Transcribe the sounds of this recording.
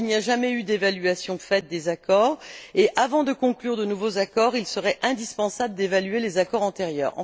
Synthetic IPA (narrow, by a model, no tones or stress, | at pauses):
lniaʒamɛyd̪evalɥasjɔ̃fɛt̪̚d̪ezakɔːʁeʔavɑ̃d̪əkɔ̃klyʁd̪ənuvozakɔʁilsəʁɛʔɛ̃d̪ispɑ̃sabləd̪evalɥelezakɔʁɑ̃t̪eʁjœ̰ːʁɑ̰̃